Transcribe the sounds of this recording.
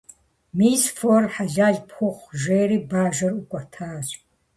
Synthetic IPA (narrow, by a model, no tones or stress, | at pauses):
miːzfɔrħaʒaːɮpʰχʊχʷʒeːɾibaːʒɐrukʷʼat̪ʰaːz